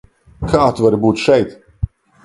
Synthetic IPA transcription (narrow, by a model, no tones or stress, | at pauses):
kʰaːt̪vɐɾbuːt̪ʃɛjt̪